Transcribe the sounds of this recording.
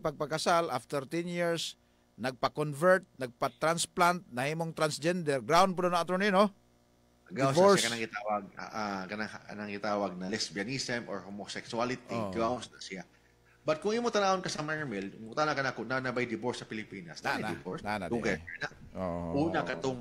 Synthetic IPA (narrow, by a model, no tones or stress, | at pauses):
pɐɡ̚pɐɡkɐsalʔaft̪ɛɾt̪ɛnjiɹs | nɐɡ̚pɐkonvɛɹt̪̚nɐɡ̚pɐt̪ɾansplant̪̚nɐhiːmoŋt̪ɾansd͡ʒɛnd̪ɛɾɡɾawn̚p̬ʊd̪onɐŋɐt̪oɹnɪjno | dɡaɪwvoɹkɐnaŋɡɪt̪awɐɡ̰̚ʔakɐnaŋhɐ̰nɐŋɡɪt̪aːwɐɡ̚nɐlɛsbiɐnisɛmʔo̰ɹhomosɛksualɪt̪iɡɾawnsnɐsɪa | bɐt̪̚kʊŋimoŋt̪ɐnaːonkɐsɐmaɹmɛlʊt̪anakɐnakonanɐbajd̪ɪboɹsːɐpɪlɪpiːnɐ̰snad̪ɪvoɹsana̰uɡɐkɛna | oʔuːnɐkɐt̪oŋ